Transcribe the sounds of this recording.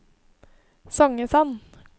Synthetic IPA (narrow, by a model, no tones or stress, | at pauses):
sɔŋəsɑn